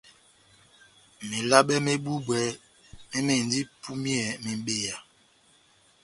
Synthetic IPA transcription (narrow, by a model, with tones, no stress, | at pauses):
me˨la˦ɓɛ˦me˦bu˦bwɛ˨ | me˦me˨n˨di˦pʰu˦mjɛ˨me˨m˦ɓe˦˨ja˨